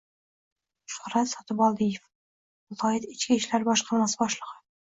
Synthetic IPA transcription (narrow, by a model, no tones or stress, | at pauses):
ʃʊ̥χɾat̪sɒt̪ɪbɒlˠd̪ijef | ʊt̪ʰɒjɪt̪ɪt͡ʃkʲɪɪʃlaɾbɒʃqʰɑɾmasɪbɒʃlˠəʁɨ